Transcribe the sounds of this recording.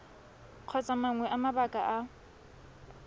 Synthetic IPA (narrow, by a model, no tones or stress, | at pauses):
q͡χʰɔt͡sʼamaŋwɛʔamabakʼaʔa